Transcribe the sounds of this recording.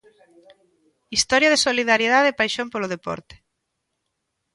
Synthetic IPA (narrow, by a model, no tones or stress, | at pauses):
ist̪ɔɾjaðesoliðaɾjeðaðepajʃompoloð̞epɔ̰ɾt̪e̥